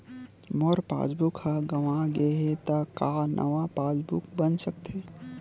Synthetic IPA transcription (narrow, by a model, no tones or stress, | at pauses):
mɔɾpa̰ːd͡ʒbukhaɡɐʋãɡeɦet̪akaːnʔɐ̰ʋapaːd͡ʒbukbənsɐk̚t̪ʰeː